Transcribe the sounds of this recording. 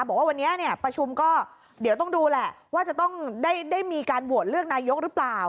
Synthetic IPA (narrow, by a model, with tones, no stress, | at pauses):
bɔː˨˩k̚waː˥˩wa˧nːi˦˥ɐni˥˩ɐpɾa˧t͡ɕʰu˧mkɔː˥˩ | di˩˦wt̪ɔ˥˩ŋduː˧lɛ˨˩ | waː˥˩t͡ɕa˨˩t̪ɔ˥˩ŋdaː˥˩jdaː˥˩jmiː˧kaː˧nbu˨˩ət̪̚ɾɯ˥˩ək̚naː˧jo˦˥k̚ɾɯ˦˥plaː˨˩w